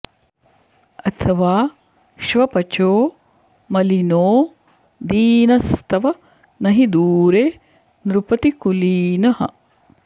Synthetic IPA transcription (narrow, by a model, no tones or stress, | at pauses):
ɐt̪ʰɐʋaː | ʃʋɐpɐt͡ʃoː | mɐlinoː | d̪iːnɐst̪ʰɐʋɐ | nɐɦid̪uːɾe | nɾupɐt̪ikuliːnɐhɐ̰